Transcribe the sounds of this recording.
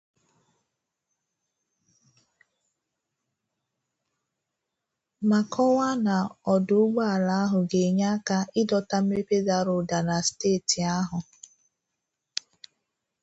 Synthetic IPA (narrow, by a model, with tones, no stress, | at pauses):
ma˨kʰɔ˦wa˦na˨ɔ˨dʊ˨ʊ˦ɡ͡ba˦a˨la˨˦ɦʊ˨ɡe˨ɲa˦ka˦ɪ˦dɔ˨ta˦m̩˦me˦pe˦za˦ɾʊ˨da˨na˨steː˦˨ti˨a˦ɦʊ˨